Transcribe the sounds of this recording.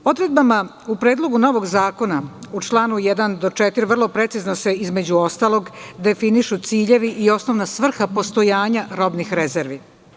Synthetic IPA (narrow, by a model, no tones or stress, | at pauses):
o̞d̪ɾe̞d̪̚bama | upɾe̞ːd̪lˠo̞ɡuno̞ʋo̞ɡzaːko̞naut͡ʃlˠaːnujɛd̪and̪o̞t͡ʂet̪iɾvr̩lˠo̞pɾe̞t̪siznose̞izme̞d͡ʑuo̞st̪alˠo̞ɡd̪e̞finiʃut̪siːʎe̞ʋiʔio̞sno̞ʋnasʋr̩xapo̞st̪o̞jaːɲaɾo̞bnixɾeze̞ɾʋi